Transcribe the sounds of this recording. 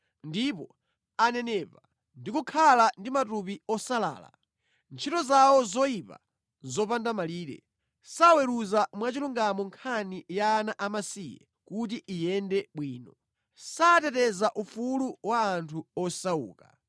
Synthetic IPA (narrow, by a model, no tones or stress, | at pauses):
ndipɔ | anɛnɛːpa | ndikukʰalandimatupiɔsala̰ːla̰ | nt͡ʃʰitɔzawɔzɔipa̰ | zɔpandamaliːɾɛ̰ | sawɛɾuzamwat͡ʃiluŋɡamɔŋkʰanijaːnaʔamasiːjɛ̰ | kut̬iʔijɛndɛɓwiːnɔ | satɛtɛzaʔufuluwaːntʰuɔsaṵːka